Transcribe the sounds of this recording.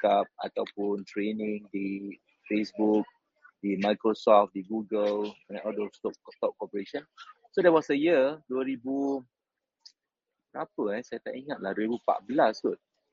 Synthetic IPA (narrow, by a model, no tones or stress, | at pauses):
kap̚a̰t̪awpũntɹenĩŋdi | fesbuk̚ | dimajkɹosɔft̚diɡuɡəlɛ̃nɔldost̪ɔpt̪ɔp̚kɔpəɹeʃɔ̃n | sodɛwɔsəjəduwəɹibu | pɹapəɛsajt̪a̰ʔiŋat̚lahduəɾibupa̰ʔbəlastut̚